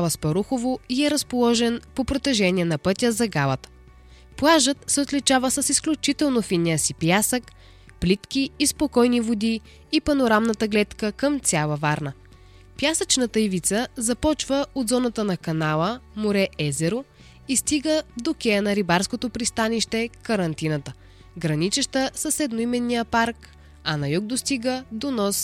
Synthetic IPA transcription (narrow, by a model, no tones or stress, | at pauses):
lɐspɐɾuxovoiɛɾɐspolˠɔʒɛnpopɾot̪ɛʒɛnʲiɛnɐpɤt̪ʲəzɐɡalˠət̪ | plˠaʒət̪sɛot̪lit͡ʃavəsəsisklʲut͡ʃit̪ɛlˠnofinʲijəsipjasək | plit̪kʲiːspokɔjnivod̪i | ipɐnoɾamnət̪əɡlɛt̪kəkəmt̪sʲjalˠəvaɾnə | pjasət͡ʃnət̪əivit̪səzɐpɔt͡ʃvəod̪zɔnət̪ənɐkɐnalˠəmoɾɛʔɛzɛɾo | ist̪iɡəd̪okʲɛjənɐɾibaɾskot̪opɾist̪aniʃt̪ɛkɐɾɐnt̪inət̪ə | ɡɾɐnit͡ʃəʃt̪əsəsɛd̪noimɛnːijəpaɾk | ɐnɐjuɡ̚d̪ost̪iɡəd̪onɔs